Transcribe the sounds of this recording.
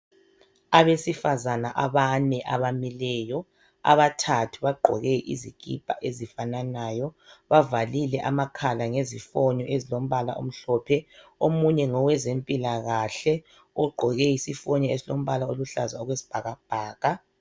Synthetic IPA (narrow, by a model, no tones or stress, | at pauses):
aβesifazanaʔaβanɛʔaβamilɛjɔ | a̰βatʰatʰuβaɡ͡ǃʱɔ̰ɣɛʔḭzikʼḭb̥ʱʼa̰ʔezifananajɔβavalilɛʔamakʰalaŋezifɔɲɔʔezilom̩βala̰ʔo̰m̩ɬɔpʰɛomuɲɛŋɔwɛzempʼilaɣaɬɛ | ɔɡ͡ǃʱɔɣɛjisifɔɲɔezilom̩βalaoluɬazaɔɣwesi̥b̥ʱaɣab̥ʱaːɣa